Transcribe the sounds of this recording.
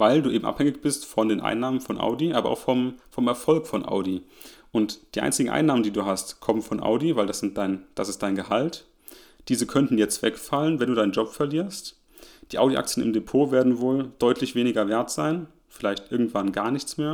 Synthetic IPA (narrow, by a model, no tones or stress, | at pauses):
vaɪlduːʔeːm̩ʔa̰phɛŋɪçb̥ɪstfɔndeːnʔa̰ɪnːaːmənfɔnʔa̰ʊdiʔaːbɐʔa̰ʊxfɔmfɔmɛɐfɔlkfɔnʔa̰ʊdiʔʊntd̥iːʔa̰ɪnt͡sɪɡŋ̩ʔa̰ɪnaːməndiːduːɦastkʰɔmənfɔnʔa̰ʊdivaɪldasz̥ɪntd̥aɪnd̥asɪst̚d̥aɪnɡəhalt | d̥iːzəkʰœntn̩jɛt͡stv̥ɛkfalənvɛnduːdaɪnənd͡ʒɔpfɛɐliːɐst | d̥iːʔaʊɾiʔa̰k̚t͡sjənʔɪ̰mdepʰoːveːɐdn̩voːld̥ɔʏtʰlɪçv̥eːnɪɡɐveːɐtz̥aɪn | fɪlaɪçtʔɪɐɡŋ̩tv̥anɡaːɐnɪçt͡smeːɐ